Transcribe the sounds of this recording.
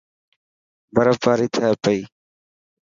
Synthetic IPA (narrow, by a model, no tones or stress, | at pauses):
bəɾəpaːɾiːt̪ʰaːpəiː